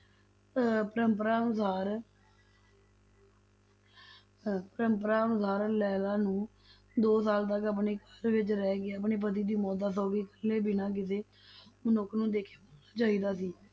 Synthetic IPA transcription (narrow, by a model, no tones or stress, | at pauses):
pəɾəmpəɾaːnʊsaːɾ | pəɾəmpɾaːənʊsaːɾlɛːlaːnũː | d̪oːsaːlt̪əkəp̬ɳeːkəɾʋɪt͡ʃɾɛːɡɪəpɳeːp̬ət̪iːd̪iːmɔːd̪aːs̬ɔːɡiːkəɾneːbɪnãːk̬ɪs̬eː | mənʊknũːd̪eːkʰeːboːnaːt͡ʃaːiːd̪aːsiː